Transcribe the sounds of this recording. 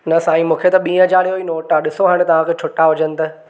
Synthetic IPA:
nɐsaːĩmũːkʰet̪ɐɓĩːə̃d͡ʑaːɽijoiːnoːʈaɗɪsoɦaːɽ̃t̪ɐʋ̤ãkʰeːt͡ɕʰʊʈaɦʊd͡ʑənɪ̆t̪ɐ

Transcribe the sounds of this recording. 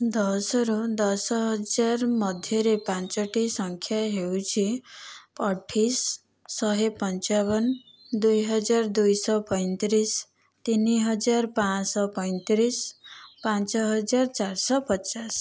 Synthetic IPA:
d̪ʌsʌɾud̪ʌsɦʌd͡zaɾmʌd̪ʱjʌɾepãnt͡ʃʌʈisʌŋkʰjaɦewt͡ʃʰipʌʈʰisː | ʌɦepʌnt͡ʃaɡʌn | d̪ujɦʌd͡ʒard̪ujsʌpʌjnt̪ɾis | t̪iniɦʌd͡zarpãsʌpʌj̃nt̪ɾispãnt͡ʃʌɦʌd͡zart͡ʃarsʌpʌt͡ʃas

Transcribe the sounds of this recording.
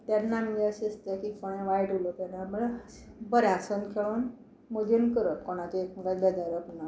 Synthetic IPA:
t̪janːameəɕiəst̪jakifəɽ̃ẽʋajʈulot̪janːamə | bəɾjãsənkʰeɭuːn | məd͡ʑenkəɾəkoɽ̃at͡ɕeekməɡat̪bɛd͡ʑaɾəpna

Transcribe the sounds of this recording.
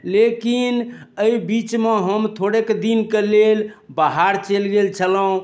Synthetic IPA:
lekinəibit͡ʃmeɦəmt̪ʰoɽeked̪inkelelbaɦaɾt͡ʃelɡelt͡ʃʰələũ

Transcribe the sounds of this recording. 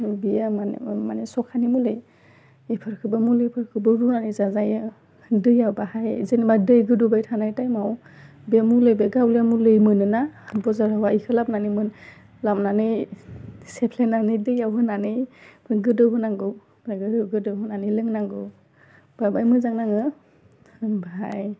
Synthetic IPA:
bijama̰manesɔkʰanimulɯj | ipʰɯɾkʰɯbɯmulɯjpʰɯɾkʰɯbɯɾunanɯjzazajɯ | dɯjawbahajzenimadɯjɡɯdubajtʰanajtajmaw | beamulɯjbeɡawlijamulɯjmɯnɯnabɔzaɾawaikʰɯlap̚nanimɯn | lap̚nanɯj | sepʰlenanɯjdɯjawɦɯnanɯjbɯɡɯdɯwɦɯnaŋɡɯw | bɾaɡɯdɯwɡɯdɯɦunanɯlɯŋnaŋɡɯw | b̥abajmɯzaŋnaŋɯ | baɦaj

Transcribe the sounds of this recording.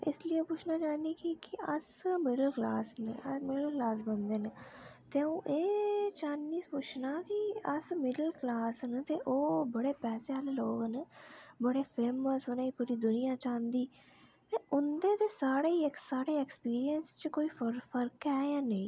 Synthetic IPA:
ɪ̰slieːpʊt͡ʃʰnaːt͡ʃaːniːkikɪəsmɪɖəlklaːsneəmɪɖəlklaːsbənd̪eːnt̪eːũːʔeːt͡ʃãːniːpʊt͡ʃʰnaːkɪəsmɪɖəlklaːsnt̪eːʔoːbəɽeːpɛːseːaːleloːɡnbəɽeːpʰeːməsʊnãːiːpuːɾiːd̪ʊnɪjãːt͡ʃãːnd̪iː | t̪eːʔʊnd̪ẽːt̪eːsaːɽeːiːksaːɽeːɛkspiːɾijənst͡ʃkoːiːɾpʰəɾkɛːjãːneĩː

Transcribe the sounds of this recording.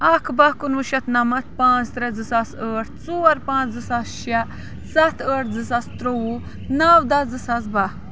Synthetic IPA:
ɐkʰbɐkunuʃɐt̪nɐmɐt̪̚ʰpãːt͡st̪ɾɐd͡zɨsasəːʈʰt͡suɐɾpãːt͡szɨsasʃɐ | sɐt̪ʰəːʈʰzɨsɐst̪ɾowu | nɐwd̪ɐd͡zɨsɐsbɐ

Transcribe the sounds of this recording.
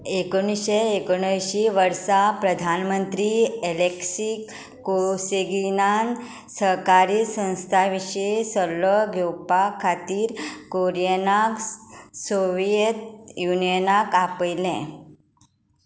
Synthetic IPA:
ekoɳ̃isɕeekoɽ̃əjɕiːʋəɾsapɾəd̪ʱanmənt̪ɾiːeleksikː | oseɡinan | səɾkaɾiːsə̃w̃st̪ʰaʋiɕesəlʋəɡʱewpakʰat̪iːɾkoɾijənaksoʋijət̪junijənakapəjlɛ̃

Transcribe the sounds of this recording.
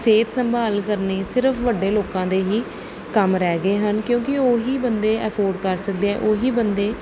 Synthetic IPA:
seːt̪səmbʱaːlkəɾneːsɪɾəpʰʋəɖːeːloːkãːd̪eːɦiː | kəmɾɛːɡəeːɦənkjõːkɪoːɦiːbənd̪eːʔɛːpʰoːɾɖkəɾsək̚d̪eːɛ̰̃ːʔoːɦiːbənd̪eː

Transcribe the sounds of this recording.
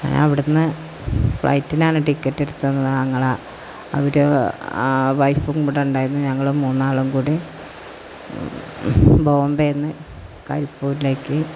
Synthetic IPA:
ɲa̰ːnḛɐʋiɽenːɨ | fɭʔɐ̰jtːinaːnɨʈikːɐtːiɾut̪ːenːɐðɨɲɐŋːɐɭaː | ɐ̰ʋɐɾe | ʋɐjfuŋkuːɽeuɳɖaːjiɾunːuɲɐŋːɐɭumuːnːaːɭɐmkuːɽi | bʱoːɐmbejnːɨ | kɐɾipːoːɾile̞ːkːɨ

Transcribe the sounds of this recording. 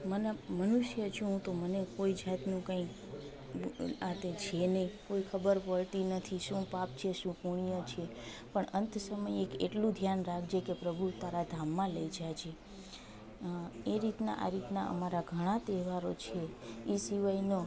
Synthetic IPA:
mənmənuʃjəd͡ʒũũt̪omənekoid͡ʒat̪nũkãik | ãt̪et͡ʃʰenəikoikʰəbəɾpəɭt̪inət̪ʰiʃũpap̚t͡ʃʰeʃũpuɳ̃ijot͡ʃʰe | pəɳənt̪ʰsəməjekeʈlũd̪ʱjanɾakʰd͡ʒekepɾəbʱut̪aɾad̪ʱamːãləid͡ʒat͡ʃʰe | eɾit̪na̰ʔa̰ɾit̪na̰ʔə̰maɾaɡʱəɽ̃ãt̪eʋaɾot͡ʃʰeisiʋaino

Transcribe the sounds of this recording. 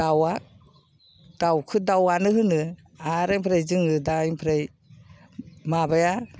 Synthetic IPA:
dawa | d̥awkʰɯdawanɯɦɯnɯ | aɾajmpʰɾejzɯŋɯdajmpʰɾej | mabaja

